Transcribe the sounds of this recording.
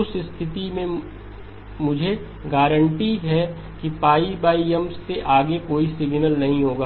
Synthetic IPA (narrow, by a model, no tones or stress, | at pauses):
ʊsɪst̪ʰɪt̪imẽ | mʊd͡ʒʱe | ɡaːɾə̃ɳʈiɦɛ | kipaːibaːiɛmsːeʔaːɡekoːisɪɡnəlnɐɦĩɦoːɡaː